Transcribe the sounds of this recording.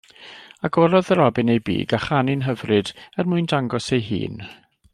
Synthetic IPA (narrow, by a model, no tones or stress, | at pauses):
aɡɔɾɔðəɾɔbɨnejbḭːɡaχanɪnɦəvrɨdɛrmʊɨndaŋɡɔsejɦḭːn